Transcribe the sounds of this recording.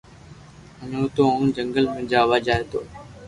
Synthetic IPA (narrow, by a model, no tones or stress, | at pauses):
ənõːt̪oːaũnd͡ʒəŋɡəlmẽd͡ʒaːʋaːd͡ʒaːeːt̪oː